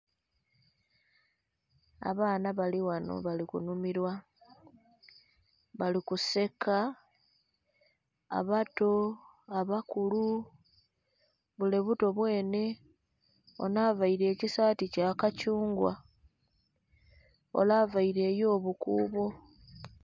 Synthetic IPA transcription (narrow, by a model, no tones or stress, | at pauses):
a̰βaːnaβaliwano̰βalikṵnumiɾwa | βalikuse̞ka | βato̞ | aβakulu | βule̞βuto̞βwe̞ːne̞ | o̰naːvaiɾe̞ːcisaːticakacuːŋɡwa̰ | o̞̰laːvaiɾe̞ːjo̞ːβukuːβo̞